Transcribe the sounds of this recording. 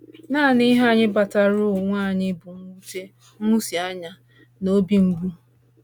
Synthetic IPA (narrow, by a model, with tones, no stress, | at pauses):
naː˦˨ni˦ɦa˦˨ɲɪ˦ba˨ta˦ɾʊ˦˨ŋʷaː˦˨ɲɪ˦bʊ˨ŋʷu˦te˦ | ŋu˦si˨a˦ɲa˦ | no˦bi˦ŋ̩˦ɡʷu˦